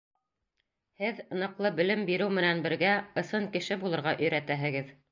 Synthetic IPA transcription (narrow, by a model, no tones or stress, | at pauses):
hɘðnɤ̆qlˠɤbɵ̆lɘmbiɾɘwmɘ̆nænbɘ̆ɾɡæɤ̆sɤŋkɘ̆ʃɘbulˠɤ̆ɾʁɑʔɵ̆jɾæt̪æɦɘ̆ɡɘð